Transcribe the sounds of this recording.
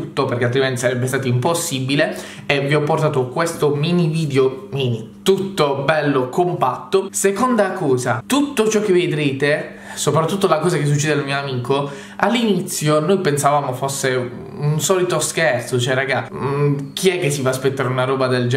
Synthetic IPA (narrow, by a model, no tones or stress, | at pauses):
ut̪ːoperkealt̪ɾiment̪isaɾɛbːest̪aːt̪oimposːibile | eviɔpːoɾrt̪aːt̪okwest̪ominiviːd̪eomiːni | t̪ut̪ːobɛlːokompat̪ːosekond̪akɔːzat̪ut̪ːot͡ʃɔkːevːed̪ɾeːt̪e | sopɾat̪ːut̪ːolakɔːzak̟es̬ːut͡ʃːɛːd̪ealmioamiːko | alːinit̪sːjonojpensavaːmofosːe | unsɔːlit̪oskɛrt̪sot͡ʃɛraɡa | k̟iɛkːesːifaːspet̪ːaːɾeunaɾɔːbad̪eld͡ʒ